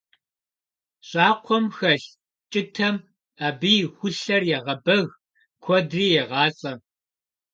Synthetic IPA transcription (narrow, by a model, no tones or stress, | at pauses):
ɕʼɑːqʷʰɔmxɐɬ | t͡ʃʼɪtʰɐm | aːbiːjxʷʊɬɐrjɛʁɐbɐɣ | kʷʰɔdriːjɛʁɑːt͡sʼɐ